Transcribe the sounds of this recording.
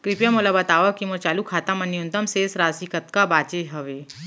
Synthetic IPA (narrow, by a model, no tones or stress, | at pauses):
kɾɪpjamolabɐt̪aːʋakimoɾt͡ʃaːlukʰaːt̪amɐnːiʊ̃nt̪əmseːsɾaːsikɐt̪kabaːt͡ʃeɦɐʋeː